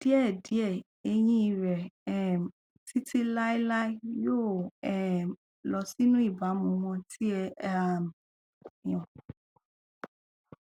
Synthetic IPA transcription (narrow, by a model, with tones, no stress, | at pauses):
d̥i˦ɛ˦˨di˨˦ɛ˦˨ | e˦jĩ˦i˧ɾɛ˨ɛ˨ | si˦ti˦la˦i˦la˦i˦joː˦˨ɛ˨ | lɔ˨˦si˦nũ˦i˦˨ba˨˦mũ˧˦mɔ̃˧ti˦ɛ˧˦a˨m | jɔ̃˨